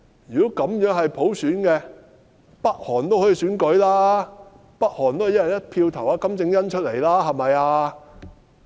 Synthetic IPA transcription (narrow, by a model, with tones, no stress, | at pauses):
jyː˨˩ko˨˥kɐ˨˥mjœː˨˥ŋɦɐ˨jpʰo˨˥wsyː˨˥nkɛ˧ | pɐ˥k̚hɔː˨˩nt̪o˥whɔ˧˥ji˧syː˨˥nkɵ˨˥jlaː˥ | pɐ˥k̚hɔː˨˩nt̪o˥whjjɐ˨˩jɐ˥t̚pʰiː˧wt̪ʰɐ˨˩waː˨˧kɐ˨˥mt͡sɪ˧ŋjɐ˥nt͡ʃʰɵ˥t̚le˨˩jlaː˥ɦɐ˨jmɐ˨jaː˧